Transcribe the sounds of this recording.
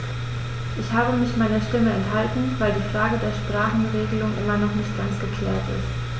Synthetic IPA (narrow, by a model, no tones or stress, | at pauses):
ʔɪçhaːbəmɪçmaɪnɐʃtɪməɛnthaltn̩vaɪldiːfʁ̥aːɡədeːɐʃpʁ̥aːχn̩ʁeːɡəlʊŋʔɪmɐnɔχnɪçtɡ̥ant͡sɡ̥əkʰl̥ɛːɐtɪ̰st